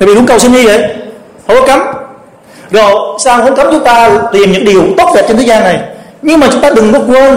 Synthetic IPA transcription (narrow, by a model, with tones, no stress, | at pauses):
a˨vi˨ɗʊ˨˦˥kə˨˩wsi˧nɲɨ˧və̰˧˨j | hə˨˦kɔ˨˦ka˨˦m | zo˨˩jsaː˧ŋho˧˦nka˨˦mt͡ɕʊ˨˦ŋ͡mt̪aː˧˨t̪i˨˩mɲɨ̰˧˥ŋki˨˩əwt̪o˦˥t̚ɗɛ˨˩p̚t͡ɕnt̪ʰe˨˦zaː˧na˨˩j | ɲɨ˧ŋmaː˨˩t͡ɕʊ˨˦ŋ͡mt̪aː˧ɗɨ˨˩ŋkɔ˨˦kwə˧n